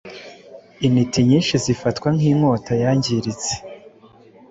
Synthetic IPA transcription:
initiɲiːnʃizifatkwaŋ̥iːmŋoːtajaɲɟiɾit͡se̥

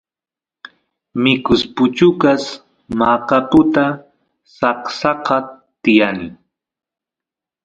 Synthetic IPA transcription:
mɪkʊspʊt͡ʃʊkas | maːkapʊt̪a | sɑqsɑqɑ | t̪ɪjanɪ̰

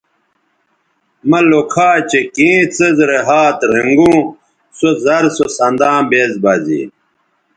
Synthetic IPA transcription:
mɐlokʰaːt͡ɕekĩːt͡sɐzɾeɦaːt̪ɾiŋɡũː | sozɐɾsosɐnd̪ãːbeːzbaːzḭː

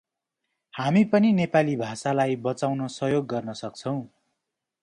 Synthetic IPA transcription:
hamipʌninepalibʱasalajbʌt͡sawnosʌɦjoɡːʌrnʌsʌk̚t͡sʰʌw̃

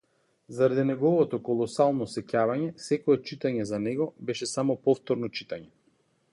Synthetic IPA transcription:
zaɾad̪inɛɡɔvɔt̪ɔkɔlˠɔsalˠnɔsɛcavaɲɛsɛkɔɛt͡ʃit̪aɲɛzanɛɡɔbɛʃɛsamɔpɔft̪ɔɾnɔt͡ʃit̪aɲɛ

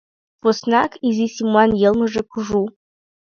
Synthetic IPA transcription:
posnɑkʰizisʲimuɑnjelˠmə̆ʐĕkʰuʐu

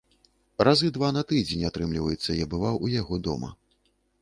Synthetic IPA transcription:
razɨd̪vanɐt̪ɨd͡zʲenʲat̪ɾɨmlʲivɐjɛt̪sːɐjabɨvawujaɣɔd̪ɔ̰mɐ̰

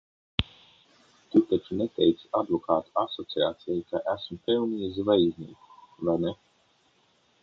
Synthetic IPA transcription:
t̪ut̪at͡ʃunet̪ɛjt̪sad̪vɔkaːt̪uasɔt̪siaːt̪sʲɛjkaʔæsmpɛlˠniizvajizʲnḭːku̥vajnɛ

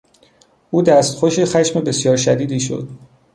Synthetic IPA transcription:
ʔuːd̪æst̪xoʃixæʃmebe̞sjɒːɾʃæd̪iːd̪iːʃo̞̰d̪̥

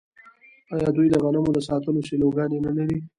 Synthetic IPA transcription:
ɑjɑd̪ujd̪əɣanamod̪əsɑt̪əloseloɡɑnenalaɾi

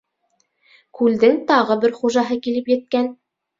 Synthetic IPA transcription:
kʉld̪ɘŋt̪ɑʁɤbɘɾχuʒɑɦɤkilɘpjɘ̆t̪̚kæn

